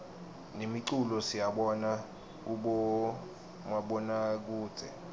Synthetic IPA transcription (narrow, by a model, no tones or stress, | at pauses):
nemiǀulɔsijaɓɔna | k̬uɓɔ | mwaɓɔnak̬uːd̥z̥ʱɛ